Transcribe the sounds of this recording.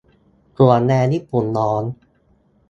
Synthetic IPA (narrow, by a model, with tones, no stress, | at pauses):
ku˨˩ənnɛː˧ji˦˥˩pu˨˩nːɔː˦˥n